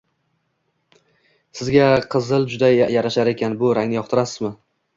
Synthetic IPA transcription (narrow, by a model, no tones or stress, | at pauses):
sɪzɡʲaqʰɨzɪlˠd͡ʒʊd̪ajaɾaʃaɾe̞kʲʰanbʊɾaŋnɪjɒq̚t̪ʰɪɾasɪzmɪ